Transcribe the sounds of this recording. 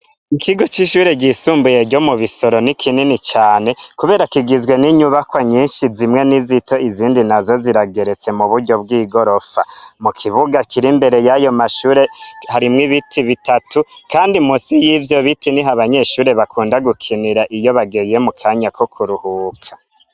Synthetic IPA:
ikiɡo̞t͡ʃiʃuːɾe̞ɟisuːmbuje̞ɾɟo̞muβiso̞ɾo̞nikʰininit͡ʃaːne̞kuβe̞ːɾakiɡizwe̞niɲuβakwaɲiːʃizimŋe̞nizito̞iziːndinazo̞ziɾaɡe̞ɾe̞t͡se̞muβuɾɟo̞b̚ɡiːɡo̞ɾo̞famukʰiβuɡakʰiɾimbe̞ɾe̞jajo̞maʃuːɾe̞haɾimŋiβitiβitatukaːndimusijivjo̞βitiniɦaβaɲe̞ʃuːɾe̞βakʰuːndaɡukʰiniɾaʔijo̞βaɡeje̞mukʰaɲako̞kʰuɾuhuːkʰḁ

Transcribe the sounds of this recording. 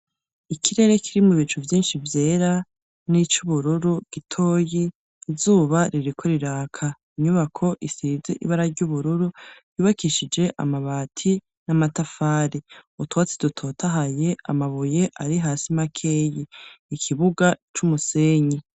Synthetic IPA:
ikiɾe̞ɾe̞kʰiɾimuβit͡ʃuvjiːnʃivje̞ːɾa | nit͡ʃuβuɾuɾuɡ̥itʰo̞ːjiː | zuːβaɾiɾikʰo̞ɾiɾaːkʰa | iɲuβakʰo̞ʔisizḛʔḭβaɾaɾɟuβuɾuɾujuːβakiʃid͡ʒe̞ʔa̰maβaːtʰi | namatafaːɾiutwat͡si̥dutʰo̞ːtʰaɦaje̞a̰maβuje̞ʔaɾiɦaːsimakʰe̞ːjiːkʰiβuɡat͡ʃumuse̞ːɲi

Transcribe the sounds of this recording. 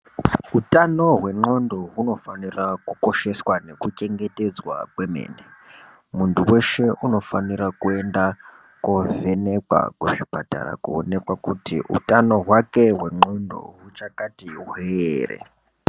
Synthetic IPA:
utano̞ɦwe̞ŋ͡ǃo̞ndo̞ɦuno̞fanirakuko̞ʃe̞swane̞kut͡ʃe̞ŋɡe̞te̞d͡zwa̰kwe̞me̞̰ːne | muntuwe̞ʃe̞ʔuno̞fanirakue̞nda | kuve̞nekwa̰kuʐibʱata̰ɾa̰kuo̰ne̞kwakutiʔṵtano̞ɦwake̞ɦwe̞ŋ͡ǃo̞ndo̞̰ɦut͡ʃakatiuɦeːrḛ

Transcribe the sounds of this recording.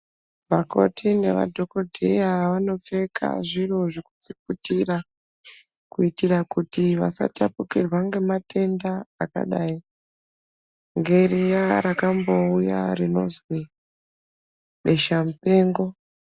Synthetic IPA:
ʋako̞̰tʰine̞̰ʋa̰dʱo̞ko̞dʱejaʋano̞p͡fe̞kʰa̰ʐiroʐokut͡sip̚utira | kuitirakutiʋa̰sa̰tapukirwaŋɡe̞matʰe̞ndaːka̰ɗaːi | ŋɡe̞rijaɾakambo̞uja̰rino̞̰zwi | ɓe̞ʃamupe̞ːŋɡo̞

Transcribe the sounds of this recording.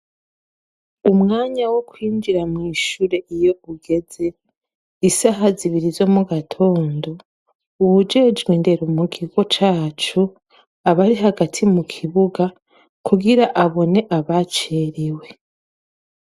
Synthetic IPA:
umŋaːɲawo̞kwiːɲd͡ʒiɾamŋiːʃuːɾe̞ʔijo̞uɡe̞ze̞ | isaɦaziβiɾizo̞muɡatʰo̞ːndo̞ | uβud͡ʒe̞d͡ʒɡwiːnde̞ɾumuɡiɡo̞t͡ʃaːt͡ʃu | aβaɾiɦaɡatʰimukʰiβuɡa | kʰuɡiɾaʔaβo̞ne̞ʔaβat͡ʃeːɾiwe̞

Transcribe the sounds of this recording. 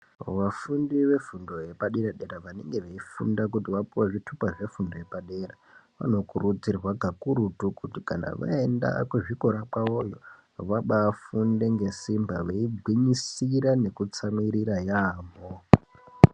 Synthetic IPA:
ʋafundiʋe̞fundo̞je̞paɗiɾaɗeɾaʋane̞ŋɡe̞ʋeifṵndak̬utiʋapiwaʐitʰupaʐe̞fundoje̞paɗe̞ɾa | ʋa̰no̞kurud͡zirwaɡʱakuɾutukutika̰na̰ʋa̰e̞nda̰kuʐikoɾak͡paojo | ʋaɓaːfunde̞ŋɡe̞simba̰ʋeiɡʱwiɲisiɾane̞kut͡samiɾiɾajaːmo

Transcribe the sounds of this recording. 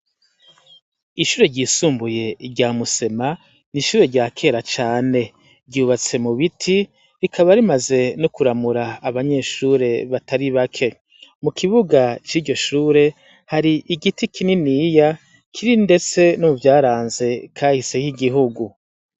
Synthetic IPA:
iʃuːɾe̞ɾɟiːsuːmbuje̞ɾɟaːmuse̞ma | niʃuːɾe̞ɾɟaːkʰe̞ːɾat͡ʃaːne̞ | ɾɟuːβat͡se̞muβitʰi | ɾikʰaβaɾimaze̞nokuɾamuɾaːβaɲe̞ːʃuːɾe̞βataɾiβakʰe̞ | mukʰiβuɡat͡ʃiːɾɟo̞ʃuːɾe̞ | haɾiʔiɡitikʰininija | kʰiɾinde̞t͡se̞nomuvjaːɾaːnze̞kʰaːhise̞hiɡiɦuɡu

